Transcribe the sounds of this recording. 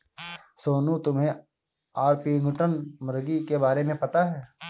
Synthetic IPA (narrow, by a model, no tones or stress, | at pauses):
soːnũt̪ʊmɦẽ | aːɾpiŋɡʱʊʈənmɐɾɡikebaːɾemẽpɐt̪aɦɛː